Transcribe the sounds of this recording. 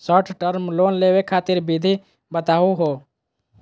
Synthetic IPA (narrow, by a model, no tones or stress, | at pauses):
səʈʰʈəɾmloːnlewekʰaːt̪iɾbid̪ʱi | bət̪aːuɦo